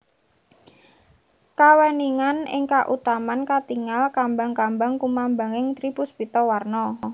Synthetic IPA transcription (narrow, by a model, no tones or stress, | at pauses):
kawɛniŋanɪ̰ŋkaʔut̪amankat̪iŋalkambaŋkambaŋkumambaŋɪŋt̪ɾib̥ʊsbit̪ɔwarnɔ